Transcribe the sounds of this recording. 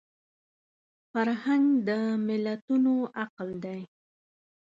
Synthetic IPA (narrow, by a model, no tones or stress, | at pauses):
faɾhaŋɡd̪əmɪlat̪unoaqld̪aj